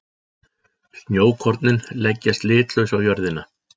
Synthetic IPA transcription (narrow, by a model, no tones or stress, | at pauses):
snjoːwkʰɔɾt̪nɪnlɛcːast̪lɪːt̪lœɥwsawjœɾðɪna